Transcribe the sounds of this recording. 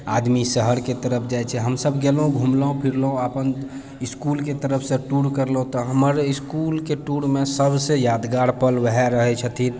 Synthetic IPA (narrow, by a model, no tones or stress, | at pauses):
a̰d̪misəɦəɾket̪əɾəpʰd͡ʒajt͡ʃʰɛɦəmsəbʱɡelõɡʱumləõpʰiɾlõəpən | iskulket̪əɾəpʰsẽʈuɾkəɾl̃t̪ɔɦəməɾiskulkeʈuɽmesəbsẽjad̪ɡaɽpəlʋəɦɛɾəɦɛt͡ʃʰɛt̪ʰiɾ